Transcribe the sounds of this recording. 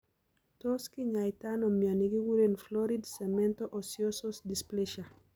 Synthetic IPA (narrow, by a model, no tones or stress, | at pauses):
tɔskiɲajtanɔmjaniɡiɡuɾenflɔɾidsemɛntoʔɔsjososdispleʃa